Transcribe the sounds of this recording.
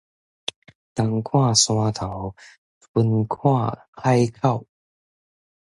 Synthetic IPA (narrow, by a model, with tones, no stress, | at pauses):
t̪a˨˧ŋkʰwa˥˧swa˧t̪ʰa˨˦w | u˧˥nkʰa˥˩kʰa˥jkʰa˥˩w